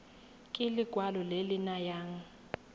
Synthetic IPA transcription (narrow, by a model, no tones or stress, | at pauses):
kʼɪlɪɡ̥ʱwalɔlelɪnajaːŋ̩